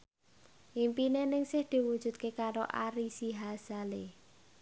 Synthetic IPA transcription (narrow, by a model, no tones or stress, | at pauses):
ʔimpinenɪŋsɪhd̪̥i̤wud̥ʒ̥ṳt̪̚kekaɾoʔaɾisiɦazale